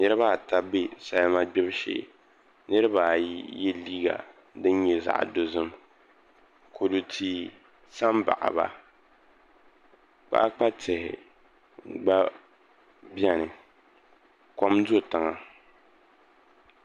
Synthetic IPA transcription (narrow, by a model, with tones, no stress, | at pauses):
nɨ˦ɾɨ˦βa˦˨ta˦be˦sa˦lma˦ɡ͡bɪ˦bʃḛː˨ | nɨ˦ɾɨ˦ba˨jjɛ˦liː˦ɡa̰˨ | dɨ˦n˦ɲɛ˦za̰˨ʔdo˨zɨ˦m | kʰo˨du˨tʰi˨ | sa˦mba̰˨ʔa̰˨ba̰˨ | k͡pa̰˦ʔk͡pa˦tɪ˨hɪ̰˨˦ | ɡ͡ba˦ | bɛ˦nɨ˨ | ko˦mzo˦˨tɨ˨ŋa˨